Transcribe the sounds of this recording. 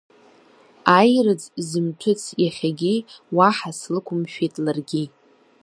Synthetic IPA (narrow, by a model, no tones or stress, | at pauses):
ajrɨd͡zzɨmtʷʰʊt͡sʰjaχʲaɡʲiwaħaslɨkʷʰʊmʃᶣetʼlarɡʲi